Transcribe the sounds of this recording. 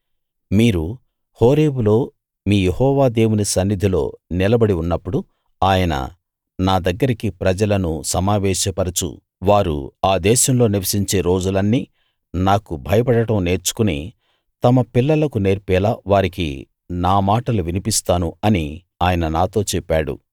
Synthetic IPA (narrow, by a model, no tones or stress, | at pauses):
miːɾu | ho̞ːɾe̞ːbulo̞ː | miːjehɔːʋaːd̪e̞ːwunisɐnːid̪ʱilo̞̰ːnilɐbɐɽiunːɐpːuɽu | aːjɐnɐ̰ | naːd̪ɐɡːɐɾikipɾɐd͡ʒɐlɐnusɐmaːʋɛːʃɐpɐɾɐt͡ʃṵ | ʋaːɾṵaːd̪ɛːʃɐmlo̞ːniʋɐsiɲt͡ʃe̞ːɾo̞ːd͡ʒulɐnːiː | naːkubʱɐjɐpɐɽɐʈɐmne̞ːɾt͡ʃu̥kuni | t̪ɐmɐpilːɐlɐkune̞ːɾpɛːlaːʋaːɾikḭ | naːmaːʈɐluʋinipist̪aːnuɐni | aːjɐnɐnaːt̪o̞ːt͡ʃɛpːaːɽṵ